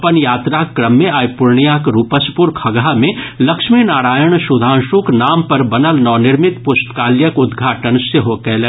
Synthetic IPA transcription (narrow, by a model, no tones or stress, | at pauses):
pənjaːt̪ɾakːɾəmːẽaːjpʊɾɳijakɾuːpəspʊɾkʰɐɡamẽlɐkʃminaːɾaːjəɳ̃ʃʊd̪ʱãːnʃuknaːmpɐɾbɐnəlnɔːnɪɾmɪt̪pʊsʈ̪kaːljəkʊd̪ɡʱaːʈənseɦokɛle